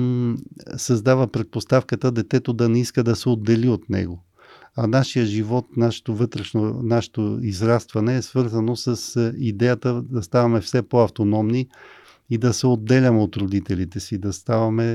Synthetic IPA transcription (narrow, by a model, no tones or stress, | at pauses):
sɐzd̪avəpɾɛt̪̚post̪afkət̪əd̪ɛt̪ɛt̪od̪ɐnɛiskəd̪ɐsɛod̪ːɛliot̪nɛ̰ɡo | ɐnaʃijəʒivɔt̪naʃɛ̥t̪ovɤt̪ɾɛʃnonaʃɛ̥t̪oizɾast̪vɐnɛːsvɤɾzɐnosəsid̪ɛjət̪əd̪ɐst̪avɐmɛfsɛpoɐft̪onɔmni | id̪ɐsɛod̪ːɛlʲɐmɛot̪ɾod̪it̪ɛlit̪ɛsid̪ɐst̪avɐmɛ